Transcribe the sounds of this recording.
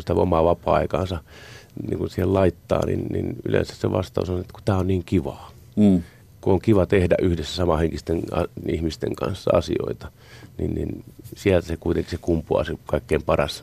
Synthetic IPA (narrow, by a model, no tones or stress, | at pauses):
sit̪æo̰mɑʋɑpɑːɑ̰ikɑ̰ːnsɑnḭŋkunsiːhellɑit̪ːɑ̰ːnḭnnḭny̰lḛnsæ̥sseʋʔɑ̰st̪ɑusɑnoet̪ːæku̥t̪æːonniːŋkiʋɑː | kuoŋkiʋɑt̪ehdæ̰ʔyhdesːæsɑmɑheŋkist̪enɑihmist̪ḛŋkɑ̰̃nsːɑɑ̰sio̰it̪ɑ̥ | nḭnnḭnsiælt̪æsekuit̪eŋkisekumpuɑ̰sekɑikːeimpɑrɑs